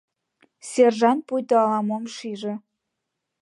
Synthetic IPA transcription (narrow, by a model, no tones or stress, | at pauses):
serʒɑnt̪̚pujt̪oɑlɑmomʃiʒĕ